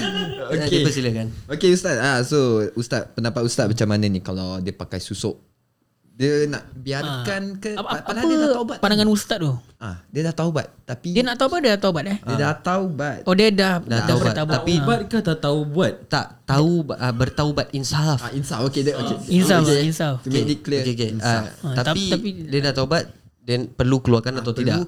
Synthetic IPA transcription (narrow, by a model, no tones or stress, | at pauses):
odkəpəsiləkanokeust̪at̪̚asoust̪at̪̚pənãmpat̪̚ust̪at̪̚mat͡ʃamananĩkalawdiəpakajsusoʔ | diəna̰ʔbiakankəapaaəəaubat̪pandaŋanust̪at̪̚d̪ɔ | adiədaht̪aubat̪̚t̪ːapidiənaʔt̪aubadiədaht̪aubat̪̚ɛhdiədaht̪aubat̪̚ɔdiədahaaabəbat̪aubaaibat̪̚kat̪at̪aubuat̪̚t̪aʔt̪aubʔəbərt̪aubat̪insafainsafokedəokeinsainsafukediklokeokenaat̪at̪apit̪apidiənaʔt̪aubat̪̚ | dəpərlukəluarkanat̪awt̪ida